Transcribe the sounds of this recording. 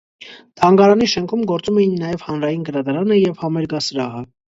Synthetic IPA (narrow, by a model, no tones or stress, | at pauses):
t̪ʰɑŋɡɑɾɑniʃɛŋkʰumɡɔɾt͡sumɛjinːɑjɛv̥hɑnɾɑjinɡəɾɑd̪ɑɾɑnəjɛvhɑmɛɾɡɑsəɾɑɦə